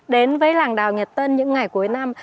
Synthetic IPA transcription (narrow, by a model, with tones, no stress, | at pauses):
ɗe˨˦nvəː˨˦jlaː˨˩ŋɗaː˨˩wɲə˨˩t̚t̪əː˧nɲɨ̰˧˥ŋːa˨˩jku˨˦əjna˧m